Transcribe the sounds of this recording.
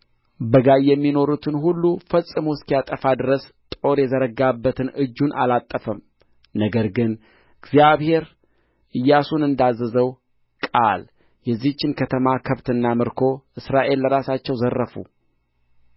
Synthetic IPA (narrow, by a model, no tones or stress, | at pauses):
bəɡajːɛmːino̞ɾut̪ʰɨnhulːufəsʼɨmuskijat̪ʼəfad̪ɨɾəs | t̪ʼo̞ɾjɛzəɾəɡabːət̪ʰɨnɨd͡ʒːunʔalat̪ʼːəfəm | nəɡəɾɡɨn | ɨɡzijaβhe̞ɾ | ʔɨjːasunɨnd̪azːəzəw | kʼa̰l | jɛzːiht͡ʃːɪnkʰət̪ʰəmakʰəβt̪ɨnːamɨɾkʰo̞ʔɨsɾaʔe̞lːəɾasat͡ʃːɛwzərːəfṵ